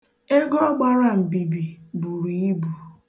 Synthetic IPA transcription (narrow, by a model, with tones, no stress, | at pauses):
e˦ɡɔ˦ɡ͡ba˦ɾa˦˨m̩˨ɡ͡bi˨bi˨bu˨ɾi˨i˦bu˨